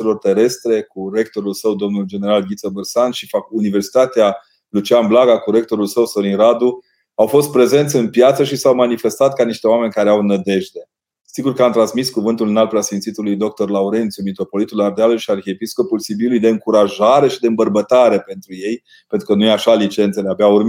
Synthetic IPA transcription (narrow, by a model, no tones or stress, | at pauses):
elo̞rt̪e̞ɾe̞st̪ɾe̞kuɾe̞k̚t̪o̞ɾulsəwd̪o̞mnuld͡ʒe̞ne̞ɾalɡʲit̪səbɨrsanʃifakuniversi̥t̪at̪ea | lut͡ʃiamblaɡakuɾe̞k̚t̪o̞ɾulsəwso̞ɾiɾad̪u | awfo̞st̪̚pɾe̞ze̞nt̪sʲɨnpjat̪səʃisawmanife̞st̪at̪̚kaniʃt̪e̞oame̞nʲkaɾeawnəd̪e̞ʒd̪e̞ | siɡurkəamt̪ɾansmiskuvɨnt̪ulɨnalpɾeasfint̪sit̪ulujd̪o̞k̚t̪o̞rlauɾe̞nt̪sjumit̪ɾo̞po̞lit̪ulard̪ealulʃiarxeepisko̞pulsibilujd̪e̞ɨŋkuɾaʒaɾe̞ʃid̪e̞ɨmbərbət̪aɾe̞pe̞nt̪ɾuje̞j | pent̪ɾukənujeaʃalit͡ʃe̞nt̪seleabaurmi